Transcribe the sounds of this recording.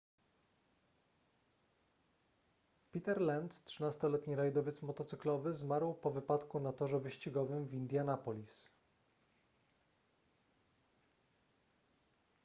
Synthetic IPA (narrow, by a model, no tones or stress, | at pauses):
pʲit̪ɛɾlɛnt̪tʂɘnast̪ɔlɛt̪ɲiɾajd̪ɔvʲjɛt̪smɔt̪ɔt̪sɘklɔvɘzmaɾwpɔvɘpat̪kunat̪ɔʐɛvɘɕt͡ɕiɡɔvɘmvʲind̪ʲjanapɔlʲis